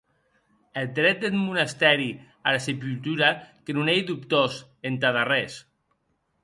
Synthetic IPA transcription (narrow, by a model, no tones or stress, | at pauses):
eld̪ɾɛt̪̚d̪et̪munast̪ɛɾi | aɾasep̬ylt̪uɾakenunejðupt̪os | ent̪aðarɛs